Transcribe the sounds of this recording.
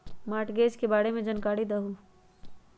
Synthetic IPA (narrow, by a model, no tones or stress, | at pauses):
maːʈɡeːd͡ʒkebaːɽemẽd͡ʒɐnkaːɽid̪ɐɦu